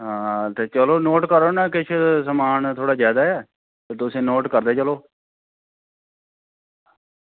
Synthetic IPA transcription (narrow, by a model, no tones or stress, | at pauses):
ɦãːt̪eːt͡ʃəloːnoːʈkəɾoːnaːkɪt͡ʃʰsəmaːnt̪ʰoːɽaːzjaːd̪aːɛː | t̪eːt̪ʊsẽːnoːʈkəɾd̪eːt͡ʃəloː